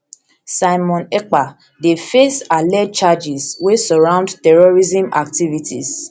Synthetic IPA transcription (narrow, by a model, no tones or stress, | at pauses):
saɪmɔ̃nɛk͡pa | defesalɛd̚t͡ʃad͡ʒizwesɔɹãʊ̃ndtɛɹɔɹizĩma̰k̚tivitḭs